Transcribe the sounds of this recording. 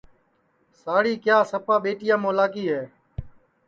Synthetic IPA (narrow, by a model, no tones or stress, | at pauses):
saːɽiːkjaːsəpaːɓeːʈɪjãːmõːlaːkiːɦeː